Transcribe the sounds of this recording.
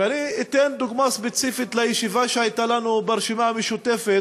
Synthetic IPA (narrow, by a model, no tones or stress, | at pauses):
aniit̪end̪uɡmaspet͡sifit̪lejeʃivaʃeajt̪alanubeɾʃimameʃut̪efe